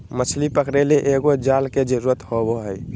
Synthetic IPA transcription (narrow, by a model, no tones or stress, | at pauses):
mət͡ʃʰlipəkɾeleʔeɡod͡ʒalked͡ʒəɾuɾət̪hoboɦəj